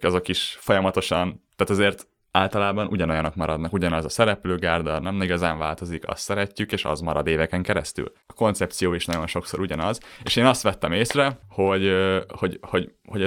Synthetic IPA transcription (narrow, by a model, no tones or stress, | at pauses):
kɛzɒkiʃfo̞jɒmɒt̪o̞ʃɒnt̪aːt̪ɒzeːrt̪ | aːlt̪ɒlaːbɒnʔuɟɒnojɒnokmɒɾɒd̪nɒkuɟɒnɒzɒsɛɾɛpløːɡaːrd̪ɒnɛmiɡɒzaːɱvaːlt̪o̞zikɒ̰st̪sɛɾɛcːykeːʃɒ̰zmɒɾɒ̰d̪eːvɛkɛŋkɛɾɛ̰st̪y̰l | ɒko̞nt̪sɛp̚t̪sijoːiʃnɒɟo̞nʃo̞kso̞ɾuɟɒnɒzeːʃeːnɒst̪ʋɛt̪ːɛmeːsrɛho̞ɟho̞ɟho̞ɟhoɟɛ